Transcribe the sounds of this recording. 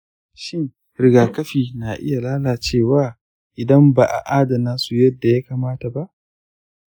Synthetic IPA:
ʃɪ˦ŋ | ɾɪ˨ɡaː˨kɐ˦ɸiː˨na˨ʔɪ˦ja˨laː˦laː˨t͡ʃeː˦˨waː˦ | ʔɪ˨dɐ˦mba˨ʔa̰˨ʔaː˦da˨naː˦su˨jɐ˦dːa˨ja˦kaː˨maː˦ta˨ba˦ʔ

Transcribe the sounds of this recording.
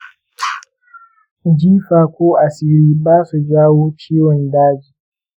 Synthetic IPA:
d͡ʒiː˦ɸaː˨kʷoː˦ʔa˨si˦ɽiː˦baː˦su˨d͡ʒaː˦woː˦t͡ʃiː˦wɔ˨ndaː˦d͡ʒiː˨

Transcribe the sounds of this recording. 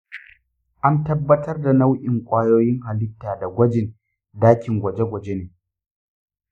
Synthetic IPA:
ʔa˦ntɐ˦bːɐ˦tɐ˦rda˨na˦wʔɪ˨ŋkʷʼaː˦joː˦jɪ˦ŋɦa˨lɪ˦tːaː˨da˨ɡʷɐ˦d͡ʒɪ˨n | daː˦kʲɪ˨ŋɡʷɐ˨d͡ʒe˦ɡʷɐ˨d͡ʒe˦neː˨

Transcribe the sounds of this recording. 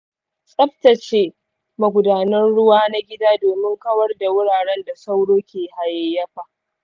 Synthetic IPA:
sʼɐ˦ɸtɐ˨t͡ʃeː˦ | mɐ˨ɡʷʊ˨daː˨nɐ˦nɽʊ˦waː˦na˦ɡʲɪ˦daː˦doː˨mɪ˦ŋkɐ˦wɐ˦rda˨wʊ˦ɽaː˨ɽɛ˦nda˨sa˦wɽoː˦kʲeː˨ha˨je˨jːɐ˦ɸa˨ʔ

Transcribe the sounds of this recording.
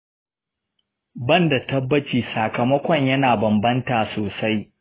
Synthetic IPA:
bɐ˦nda˨tɐ˦bːɐ˦t͡ʃiː˨saː˨kɐ˨mɐ˦kʷɔ˨ɲjɐ˦naː˨bɐ˨mbɐ˦ntaː˨soː˨sa˦j

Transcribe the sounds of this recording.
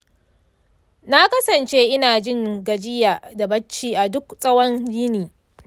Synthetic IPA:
na˦kɐ˦sɐ˨nt͡ʃeː˦ʔɪ˦naː˨d͡ʒɪ˦ŋɡɐ˨d͡ʒɪ˦jaː˨da˨bɐ˦t͡ʃːiː˦ʔa˨dʊ˦ksʼɐ˦wɐ˦nd͡ʒiː˦niː˨

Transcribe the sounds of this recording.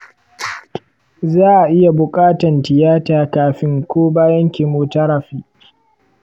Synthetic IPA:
zaː˦ʔa˨ʔɪ˦ja˨bʊ˨kʼaː˦tɐ˨ntɪ˨jaː˦taː˨kaː˨ɸɪ˦ŋkʷoː˦baː˦jɐ˦ŋkʲi˨moː˨tɐ˦ɾɐ˨ɸiː˦

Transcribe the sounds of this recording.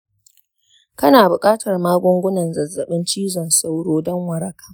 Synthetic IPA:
kɐ˦naː˨bʊ˨kʼaː˦tʰɐ˨rmaː˦ɡʷʊ˦ŋɡʷʊ˦nɐ˨nzɐ˨zːɐ˨ɓɪ˦nt͡ʃiː˦zɔ˨nsa˦wɽoː˦dɔ˦ŋwɐ˨ɾɐ˦kḁː˦

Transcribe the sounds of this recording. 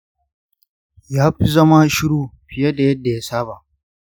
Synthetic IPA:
jaː˦ɸi˦zɐ˦ma˦ʃɪ˦ɽuː˦ɸɪ˨ja˦da˨jɐ˦dːa˨jaː˦saː˦ba˨ʔ

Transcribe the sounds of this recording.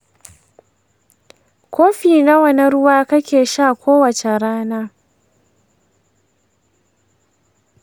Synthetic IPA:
kʷoː˦ɸiː˨na˦wɐ˦nɐ˦ɾʊ˦waː˦kɐ˦kʲeː˨ʃaː˦˨kʷoː˦wɐ˨t͡ʃe˨ɾaː˦naː˦

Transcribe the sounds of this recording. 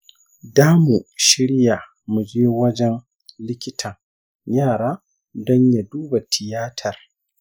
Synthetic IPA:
daː˦mu˨ʃɪ˦ɽja˨ | mu˨d͡ʒeː˦wɐ˦d͡ʒɛ˦n | lɪ˦kʲɪ˦tʰɐ˨ŋ | jaː˦˨ɽaː˦ | dɔ˦ɲja˨duː˦ba˨tʰɪ˨jaː˦tʰɐ˨r

